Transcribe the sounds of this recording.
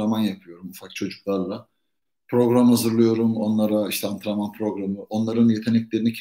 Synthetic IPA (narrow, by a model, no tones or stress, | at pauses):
amanjapʰɯjo̞ɾumufak̚t͡ʃʰo̞d͡ʒuklˠaɾlˠa | pʰɾo̞ɡɾamhazɯɾlˠɯjo̞ɾumo̞nlˠaɾaiʃt̪ʰɛant̪ʰɯɾamanpʰɾo̞ɡɾamɯo̞nlˠaɾɯnje̞t̪ʰe̞nɛclʲe̞ɾinicʰ